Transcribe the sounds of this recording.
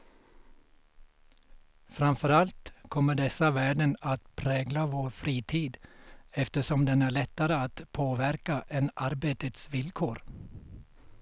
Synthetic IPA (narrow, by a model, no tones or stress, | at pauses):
fɾamfœɾalt̪kʰɔmːəɖɛsaʋæːɖənat̪pʰɾɛːɡlaʋoːɾfɾiːt̪ʰiːd̪ɛft̪əʂɔmd̪ɛnæːɭɛt̪ːaɾəat̪pʰoːʋæɾkaʔenaɾbeːt̪ət̪sʋɪlkʰoːɾ